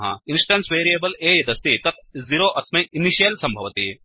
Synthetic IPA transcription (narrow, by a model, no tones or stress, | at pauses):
ɦɐ̰insʈɐnsʋeːɾijeːbɐleːjɐd̪ɐst̪it̪ɐt̪̚ʰziɾoːʔɐsmɐjiniʃijɐlsɐmbʱɐʋɐt̪i